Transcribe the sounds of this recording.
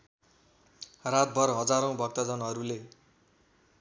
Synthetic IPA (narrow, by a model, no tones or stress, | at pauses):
rat̪̚bʱʌrɦʌd͡zaɾow̃bʱʌk̚t̪ʌd͡zʌnɦʌɾule